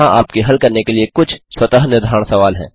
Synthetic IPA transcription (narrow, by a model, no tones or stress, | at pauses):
ãʔaːpkeɦɐlkɐɾnekeliekʊt͡ʃʰswɐt̪aɦnɪɾd̪ʱaːɽ̃sɐʋaːlɦɛ̰̃ː